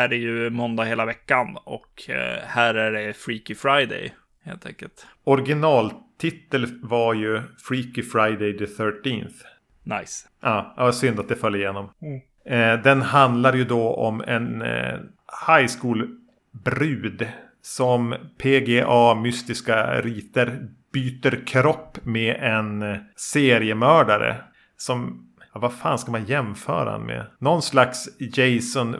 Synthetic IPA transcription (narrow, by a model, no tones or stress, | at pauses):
æɾæjɵmɔnd̪aheːlavɛkːanɔ̰khæːɾæɖɛfɾiːkɪfɾaɪd̪ɛ̰j | hḛːlt̪ʰɛ̰ŋkəlt̪ɔɾɡɪnɑːlt̪ʰɪt̪ːəlvaɾjɵfɾiːkɪfɾaɪd̪ɛjd̪ɛθœːʈinθ | najs | ʔɑːɑsʏnd̪at̪d̪ɛfœljaɪjeːnɔm | d̪ɛnhand̪laɾjɵd̪ɔɔ̰mɛ̰n | hajskuːl | bɾʉːd̪ | sɔmpʰeːɡeʔɑːmʏst̪ɪskaɾiːt̪əɾb̥yːt̪əɾkʰɾɔpːmeʔɛnseːɾɪəmœːɖaɾə̰ | sɔm | vafa̰ːnskamanjɛmfœ̰ːɾa̰d̪ɛ̰nmḛnɔnslaksjɛjsɔn